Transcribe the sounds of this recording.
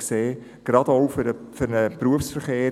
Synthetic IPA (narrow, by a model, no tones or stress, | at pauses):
kseː | ɡ̥ɾɑdoʊfødəfʏɾnəpɾuəfsfəɾχeː